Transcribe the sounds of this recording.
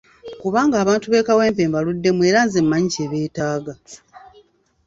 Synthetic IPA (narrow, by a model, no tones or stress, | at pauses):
kuβaːŋɡaːβaːntuβe̞ːkawe̞ːmpe̞ːmbaludːe̞mwe̞ːɾanzemːaɲiceːβe̞ːtaːɡa